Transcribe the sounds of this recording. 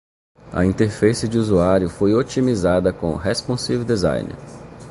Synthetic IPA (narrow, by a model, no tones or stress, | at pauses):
ɐ̰ĩnt̪eɾfesɪd͡ʒɪuzuaɾjʊfojot͡ʃimizad̪ɐkõ̰ɦespõsivewd̪ezã̰jnɪ̰ɾ